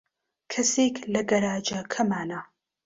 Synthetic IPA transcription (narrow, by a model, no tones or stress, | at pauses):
kʰɐseklɐɡɐɾaːd͡ʒɐkʰɐmaːna